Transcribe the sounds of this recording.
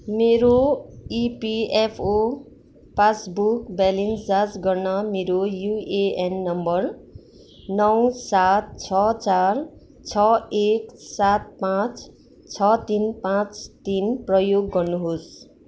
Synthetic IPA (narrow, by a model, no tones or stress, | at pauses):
meɾoipiepʰo | pasbukbalensd͡zad͡zɡʌrnʌmeɾojueenːʌmbʌr | nʌwsat̪̚t͡sʰʌt͡sar | t͡sʰʌeksat̪̚pãt͡s | t͡sʰʌt̪inpãt͡st̪inprʌjoɡːʌrnuɦos